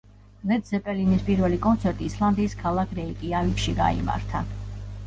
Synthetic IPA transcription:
lɛd̪zɛpʼɛlinispʼiɾvɛlikʼɔnt̪sʰɛɾt̪ʼiːslˠand̪iːskʰalˠakʰɾɛikʼiavikʃiɡa̰ḭma̰ɾt̪ʰa

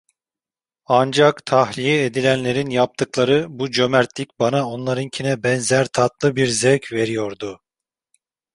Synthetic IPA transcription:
and͡ʒakt̪ʰahlʲijɛed̪ilʲænlʲe̞ɾinjap̚t̪ʰɯklˠaɾɯbud͡ʒø̞mæɾt̪lʲic̚ʲbanao̞nlˠaɾɯncʰinɛbɛnzæɾt̪ʰat̪lˠɯbiɾzɛvcʰve̞ɾijo̞ɾd̪ʊ

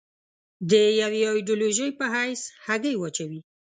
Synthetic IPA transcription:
d̪əjawaɪɖoloʒəjpəɦajshaɡəjwat͡ʃawi

